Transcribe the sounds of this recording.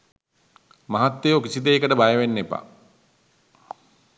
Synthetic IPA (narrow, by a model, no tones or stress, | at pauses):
maɦat̪ːejokisid̪eːkəʈəbajəʋenːepa̰